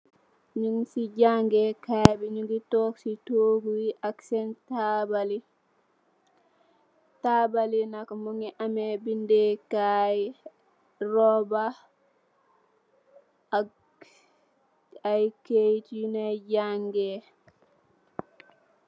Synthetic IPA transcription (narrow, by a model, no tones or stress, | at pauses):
ɲuŋsiɟaŋɡɛkajbiɲuŋɡitɔksitoɡuwiʔaksɛntabali | tabalinakmuŋiʔamɛbindɛkaj | ɾɔba | ajkejtinaɟaŋɡɛ